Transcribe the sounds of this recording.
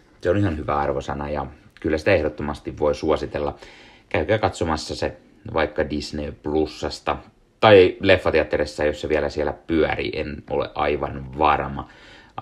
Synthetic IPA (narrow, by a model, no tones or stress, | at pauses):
seonihɑnhyʋæɑrʋosɑnɑjɑkylːæsi̥t̪æehdot̪ːomɑst̪iʋʋoisuosit̪elːɑ | kæykæːkɑt̪somɑsːɑse | ʋɑikːɑdisneːplusːɑst̪ɑ | t̪ɑilefːɑt̪eɑt̪ːeɾesːæjosːɑʋielæsielæpyærḭʔḛno̰lḛʔʔɑiʋɑnʋɑrmɑ